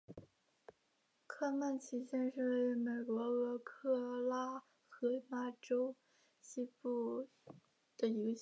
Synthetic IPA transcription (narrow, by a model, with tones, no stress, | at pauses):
kʰa˥˧ma˥˩nt͡ɕʰi˧˥t͡ɕjɛ˥nʂɻ̩˥˧we˥˩ɪy˧˥me˨˩ɪkwɔ˧˥ɤ˧˥kʰɤ˥˧la˥˩ | xɤ˧˥ma˥ʈ͡ʂo˥ʊ | ɕi˥pu˥˩ | d̪̥ə˩i˧˥ɡə˧ɕ